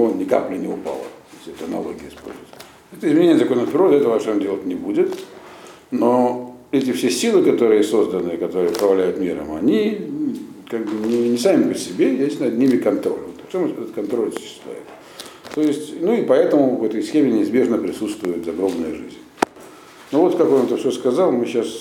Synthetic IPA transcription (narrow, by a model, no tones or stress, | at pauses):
onʲɪka̰plʲɪnʲɪʊpa̰lˠə̰esʲtʲɛt̪əɐnɐ̰lˠo̰ɡʲɪəɪspo̞̰lʲzʊ̰jɪt̪ | ɛt̪əɪzmʲɪnʲenʲɪət̪ɐko̞jnət̪pʲɾʲɪɾod̪ʲɐɛt̪əvəɐpʂeondʲelˠət̪̚ʲnʲɪbudʲɪt̪ | noɛt̬ʲɪfsʲesʲilˠɨkɐt̪o̞ɾɨjəso̞zd̪ənɨɪkɐt̪o̞ɾɨjəʊpɾɐvɐlʲæjʊt̪mʲiɾə̰mɐnʲi | kaɡbɨnʲɪnʲɪsamʲɪpɾʲɪsʲɪbʲejʲesʲtʲnɐd̪nʲimʲɪkɐnt̪ɾo̞̰lʲmt̪ft͡ɕomɛt̪ɛt̪ət̪kɐnt̪ɾo̞lʲsʊ̥ɕːɪ̥st̪lʲæ̰jɪ̰t̪ | t̪o̞jɪsʲtʲnuɪpɐɛt̪əmʊvɛt̪əjsxʲemʲɪnʲɪɪzbʲe̞ʐnəpɾʲɪsut̪st̪vʊjʊt̪zɐɡɾo̞mnəjəʐɨ̰zʲnʲ | novo̞t̪kakonmɛt̪əfsʲoskɐzɑlˠmɨɕas